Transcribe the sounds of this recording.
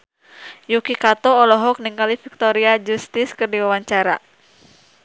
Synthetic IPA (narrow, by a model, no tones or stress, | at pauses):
jukikat̪ɔːlɔɦɔk̚niŋkalifik̚t̪ɔɾiad͡ʒust̪ɪskɨrdiwawaɲt͡ʃaɾa̰